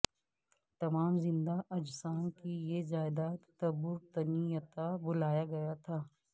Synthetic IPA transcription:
t̪ɐmaːmzɪ̃nd̪aʔɐd͡ʒsaːnkijezaːɪd̪aːt̪t̪ɐbʊɾt̪ɐnijət̪abʊlaːjaɡɐjat̪ʰaː

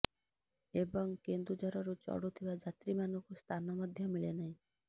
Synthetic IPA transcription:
ebɔŋkend̪ɾud͡ʒʱɔɾɔɾut͡ʃɔ̰ɽut̪ʰibad͡ʒat̪ɾimanɔkust̪ʰanɔmɔd̪ʱjɔmiɭenaɦĩ

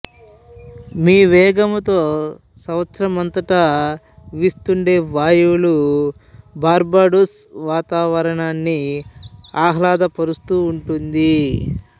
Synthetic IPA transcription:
miːʋɛːɡɐmɐt̪o̞ː | sɐʋɐt̪sɐɾɐmɐnt̪ɐʈɐ | ʋist̪uɳɖe̞ːʋaːjulu | baːɾbaːɖusʋaːt̪aːʋɐɾɐɳaːnːi | aːɦlaːd̪ɐpɐɾust̪uːɳʈund̪i

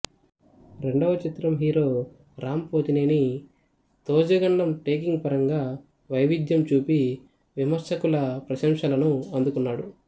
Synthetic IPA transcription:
ɾe̞ɳɖɐʋɐt͡ʃit̪ɾɐmɦiːɾo̞ː | ɾaːmpoːd͡ʒ̪ineːni | t̪oːd͡ʒɐɡɐɳɖɐmʈeːkiŋɡpɐɾɐŋɡaː | ʋɐjʋid̪jɐmt͡ʃuːpi | ʋimɐɾsɐkulɐpɾɐʃɐmʂɐlɐnuɐnd̪ukunːaːɽu

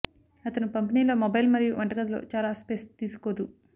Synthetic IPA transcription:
ɐt̪ɐnupɐmpiniːlo̞ːmɔbɐjlmɐɾijuʋɐɳʈɐɡɐd̪ɐlo̞̰ːt͡ʃaːlaːspest̪iːsu̥koːd̪u

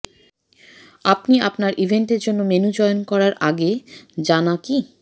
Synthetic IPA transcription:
apniapnaɾʔibʱeɳʈeɾd͡ʑonːomenud͡ʑɔeonkɔɾaɾʔaɡed͡ʑanaki

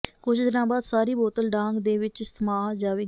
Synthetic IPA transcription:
kʊt͡ʃʰd̪ɪnãːbaːd̪saːɾiːboːt̪əlɖãːŋɡd̪eːʋɪt͡ʃsəmaːd͡ʒaːʋeː

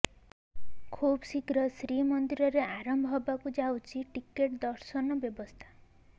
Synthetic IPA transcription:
kʰubsikɾɔsɾimɔnd̪iɾɔɾeʔaɾɔmbʱɔbakud͡ʒawt͡ʃʰiʈikeʈd̪ɔɾsɔnɔbjɔbɔst̪ʰḁ

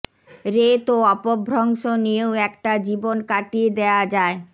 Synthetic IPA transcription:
ɾet̪oɔpobʱɾoŋʃonijeoɛkʈad͡ʑibonkaʈied̪ead͡ʑae

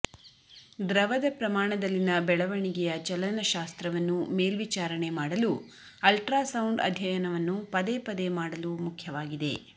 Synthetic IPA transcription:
d̪ɾɐʋɐd̪ɐpɾɐmaːɳɐd̪ɐlːinɐbɛɭɐʋɐɳiɡɛjɐt͡ʃɐlɐnɐʃaːst̪ɾɐʋɐnːume̞ːlʋit͡ʃaːɾɐɳe̞maːɽɐlu | ɐlʈɾaːsɐwɳɖɐ̰d̪ʱjɐjɐnɐʋɐnːupɐd̪epɐd̪e̞maːɽɐlumukʰjɐʋaːɡid̪e̞

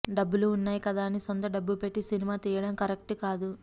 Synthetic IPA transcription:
ɖɐbːuluːnːaːjikɐd̪aːnisont̪ɐɖɐbːulpe̞ʈːisinimaːt̪iːjɐɽɐmkɐɾek̚ʈukaːd̪u

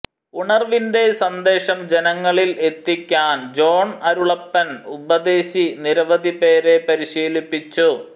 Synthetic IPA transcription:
uɳɐrʋinde̞sɐnd̪e̞ːɕɐmd͡ʑenɐŋːɐɭile̞t̪ːikʲːaːnd͡ʑo̞ːɳɐɾuɭɐpːɐnubɐd̪e̞ːɕiniɾɐʋɐd̪ʱipe̞ːɾe̞pɐɾiɕiːlipːit͡ɕːu

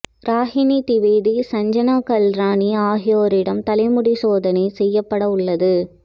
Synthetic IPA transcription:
ɾaːɦɪnit̪ɪʋeːðisɐɲd͡ʒɐnaːkɐlɾaːniaːɦɪjoːɾɪɽɐmt̪ɐlɐɪmʊɽisoːðɐnɐɪsɛjːɐpːɐɽɐʊɭːɐðɯ

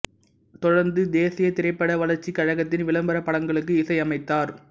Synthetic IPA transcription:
t̪ɔɽɐɾnd̪ɯd̪eːsɪjɐt̪ɪɾɐɪpːɐɽɐʋɐlɐɾt͡ʃːikɐɻɐɣɐt̪ːɪnʋɪlɐmbɐɾɐpɐɽɐŋɡɐɭɯk̬ːɯɪsɐɪɐmɐɪt̪ːaːɾ

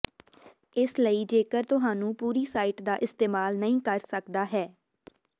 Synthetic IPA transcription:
ɪsləiːd͡ʒeːkəɾt̪ʊɦaːnũːpuːɾiːsaːiːʈd̪aːʔɪst̪eːmaːlnəĩːkəɾsəkd̪aːɦɛː

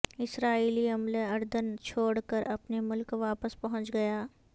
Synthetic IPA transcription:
ɪsɾaːiːliɐmleɐɾd̪ənt͡ʃʰoːɽkəɾʔɐpnemʊlkʋaːpəspɐɦʊ̃t͡ʃɡɐjaː

